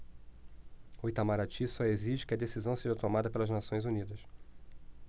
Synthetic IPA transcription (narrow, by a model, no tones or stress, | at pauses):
ojt̪amaɾat͡ʃisɔeziʒɪ̥kɪɐd̪esizɐ̃w̃seʒɐt̪omad̪ɐpelɐʒnasõj̃zunid̪ɐs